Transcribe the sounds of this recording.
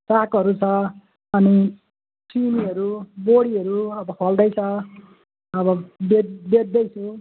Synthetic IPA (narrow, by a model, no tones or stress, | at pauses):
sakʌɾut͡sʰʌ | ʌni | t͡siniɦʌɾuboɽiʌɾuʌbʌpʰʌld̪ʌjt͡sʰʌ | ʌbʌbebed̪ːʌjt͡sʰu